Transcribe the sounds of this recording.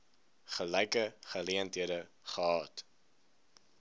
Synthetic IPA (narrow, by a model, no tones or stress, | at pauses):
χəlɛjkəχəliəntɦiədə | χəɦɑːt